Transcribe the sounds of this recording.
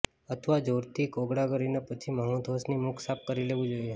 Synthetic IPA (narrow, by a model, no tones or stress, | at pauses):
ət̪ʰʋad͡ʒoɾt̪ʰikoɡɽaɡəɾinapət͡ʃʰiməɦũd̪ʱosnimukʰsap̚kəɾileʋũd͡ʒoje